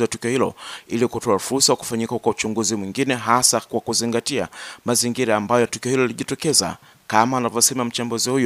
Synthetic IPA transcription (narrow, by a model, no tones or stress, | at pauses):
watukiɔhilɔ̰ilikutɔafuɾsawaku̥faɲikakwaut͡ʃuŋɡuzimwiŋɡinɛɦasakwakuziŋɡatiamaziŋɡiɾaːmbajɔtukiɔhilɔliʄitɔkɛza̰ | kamaːnavɔsɛmam̩t͡ʃambuzihuju